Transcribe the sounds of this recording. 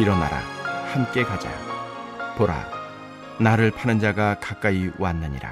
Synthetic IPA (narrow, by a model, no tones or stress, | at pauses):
iɾʌna̰ɾa̰hamk͈e̞kad͡ʑa̰ | poɾa̰ | naɾɯɭpʰanɯnd͡ʑaɡakak͈aiwanːɯɲḭɾa̰